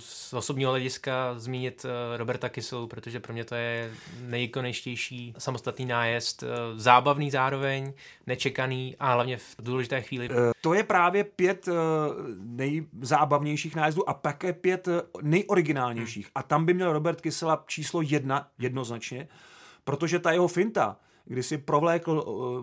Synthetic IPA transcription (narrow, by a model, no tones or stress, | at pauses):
sʔosobɲiːɦolɛɟɪskazmiːɲɪt̪ɾobɛɾt̪akɪsɛlupɾot̪oʒɛpɾo̞mɲɛt̪o̞jɛnɛjkonɛt͡ʃcɛjʃiːsamost̪at̪niːnaːjɛst̪zaːbavniːzaːɾovɛɲ | nɛt͡ʃɛkaniːʔaɦlavɲɛvduːlɛʒɪt̪ɛːxʋiːlɪt̪o̞jɛpɾaːvjɛpjɛt̪ | nɛjzaːbavɲɛjʃiːxnaːjɛzduːʔap̪akɛːpjɛt̪nɛjʔo̞ɾɪɡɪnaːlɲɛjʃiːxʔat̪ambɪmɲɛlɾo̞bɛɾt̪kɪsɛlat͡ʃiːslo̞jɛdnajɛdno̞znat͡ʃɲɛ | pɾo̞t̪o̞ʒɛt̪ajɛɦofɪnt̪a̰ | ɡdɪsɪpɾo̞vlɛːkl̩